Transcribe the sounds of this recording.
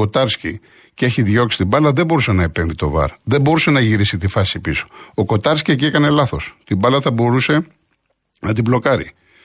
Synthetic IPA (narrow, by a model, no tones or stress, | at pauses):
o̞t̪ɐɾscḭ | cee̞çiðʝo̞ksi̥t̪ibɐlɐðe̞bo̞ɾuse̞nɐepe̞ɱvit̪o̞vɐ̰ɾðe̞mbo̞ɾuse̞nɐʝiɾisit̪ifɐsipiso̞̥oko̞t̪ɐɾscieciekɐne̞lɐθo̞st̪imbɐlɐθɐbo̞ɾuse̞ | nɐt̪̬iblo̞kɐɾḭ